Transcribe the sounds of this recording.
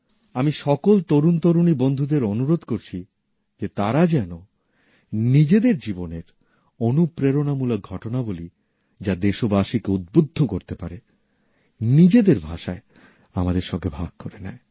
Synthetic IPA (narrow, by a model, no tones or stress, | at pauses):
amiʃɔkolt̪oɾunt̪oɾunibond̪ʱud̪eɾonuɾod̪koɾt͡ɕʰi | d͡ʑet̪aɾad͡ʑɛno | nid͡ʑed̪eɾd͡ʑiboneɾ | onupɾeɾonamulok̚ɡʱɔʈonaboli | d͡ʑad̪eʃobaʃikeud̪̚bod̪ʱːokoɾt̪epaɾe | nid͡ʑed̪eɾbʱaʃae | amad̪eɾʃɔŋɡebʱaɡ̚koɾenɛe